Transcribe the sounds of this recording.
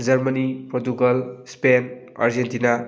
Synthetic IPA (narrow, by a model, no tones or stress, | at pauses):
d͡ʒɐɾmɐnipɾotukɐlspen | a̰ɾd͡ʒentina